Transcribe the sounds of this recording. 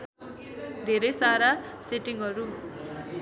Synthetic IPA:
d̪ʱeɾʌjsaɾaseʈiŋɦʌɾu

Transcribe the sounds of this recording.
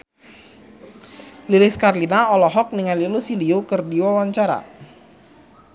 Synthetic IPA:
lilɪskarlinaɔlɔɦɔk̚niŋalilusiliokərdiwɔwaɲt͡ʃaɾa̰

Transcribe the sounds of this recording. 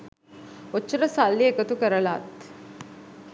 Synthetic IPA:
ot͡ʃːɐɾəsalːiekət̪ukəɾəlaːt̪

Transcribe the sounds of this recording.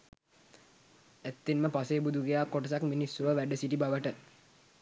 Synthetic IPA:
æt̪ːinməpaseːbud̪ʱuɡejaːkoʈəsakminisːuʋəʋæɖəsiʈibaʋəʈə

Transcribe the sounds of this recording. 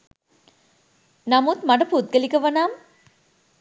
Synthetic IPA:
namut̪maʈɐput̪̚ɡəlikəʋɐnaːm

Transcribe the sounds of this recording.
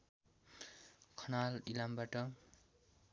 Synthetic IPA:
kʰʌnalilambaʈʌ

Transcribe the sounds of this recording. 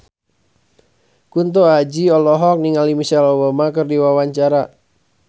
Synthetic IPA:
kunt̪̬oad͡ʒiɔlɔɦɔk̚niŋalimiʃɛlɔbamakɨrdiwawaɲt͡ʃaɾa

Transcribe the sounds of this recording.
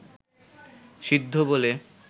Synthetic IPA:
ʃid̪ʱːobole

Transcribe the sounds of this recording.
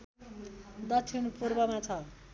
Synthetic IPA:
d̪ʌt͡sʰinupurbʌmat͡sʰʌ

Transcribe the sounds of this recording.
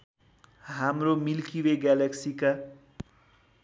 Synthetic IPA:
ɦamromilkiweɡalaksika

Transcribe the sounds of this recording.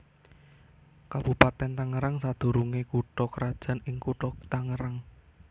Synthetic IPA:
kab̥upat̪ɛnt̪aŋəɾaŋsad̪̥o̤ɾuŋekuʈɔkəɾad̥ʒ̥a̤nɪŋkuʈɔt̪aŋəɾaŋ

